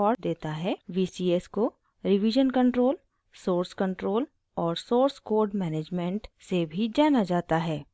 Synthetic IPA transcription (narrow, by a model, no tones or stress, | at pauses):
ɔːɾd̪eːt̪aɦɛːʋiːsiːesko | ɾɪʋiːd͡ʒənkə̃ɳʈɾoːl | soːɾskə̃ɳʈɾoːl | ɔːɾsoːɾskoːɾɖmɛːneːd͡ʒmẽɳʈsebʱid͡ʒaːnad͡ʒaːt̪aɦɛː